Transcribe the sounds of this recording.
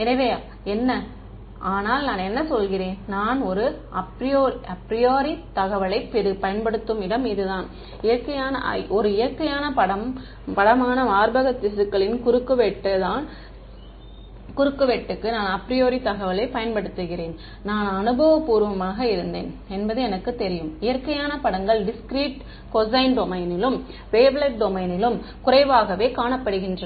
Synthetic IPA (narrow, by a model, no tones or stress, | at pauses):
ɛnɐʋeːa | ɛnːɐ | ʔaːnaːlnaːnɛnːɐsɔlɣɪɾeːnnaːnɔɾɯɐpɾɪjoːɾɐpɾɪjoːɾit̪ɐɣɐʋɐlɐɪpːɪɾɯpɐjɐnpɐɽɯt̪ːɯmɪɽɐmɪðɯðaːn | ɪjɐkːɐjaːnɐ̰ʔɔɾɯɪjɐɾkːɐjaːnɐpɐɽɐm | pɐɽɐmaːnɐʋaːɾbɐɣɐt̪ːɪsɯkːɐɭɪnkʊɾɯkːɯʋɛʈːɐðaːn | kʊɾɯkːɯʋeʈːɯkːɯnaːnɐpɾɪjoːɾit̪ɐɣɐʋɐɪlɐɪpɐjɐnpɐɽɯt̪ːɯɣɪɾeːn | naːnɐnɯbɐʋɐpːuːɾʋɐmaːɣɐɪɾɯnd̪ḛːnɛnbɐðɯɛnɐkːɯt̪ːɛɾɪjɯmɪjɐɾkɐjaːnɐpɐɽɐŋɡɐɭɖɪskɾiːʈ | kɔzɐɪnɖɔmɐɪnɪlɯm | ʋeːbɭɐʈ̚ɖɔmɐɪnɪlɯmkʊrɐɪʋaːɣɐʋeːkaːɳɐpːɐɽɯɣɪndrɐ